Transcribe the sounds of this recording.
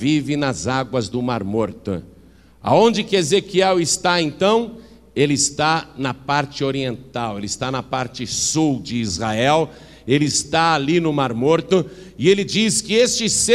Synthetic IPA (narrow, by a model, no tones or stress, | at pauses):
vivɪnɐzaɡwɐzd̪ʊmaɾmoɾt̪ʊ̰ | a̰õnd͡ʒɪkɪezekiɛwɪst̪aẽnt̪ɐ̃w̃ | elɪːst̪anɐpaɾt͡ʃɪoɾiẽnt̪awelɪst̪anɐpaɾt͡ʃɪsuwd͡ʒɪːzhaɛw | elɪːst̪aalinʊmaɾmoɾt̪ʊ | ɪelɪd͡ʒiskɪest͡ʃɪse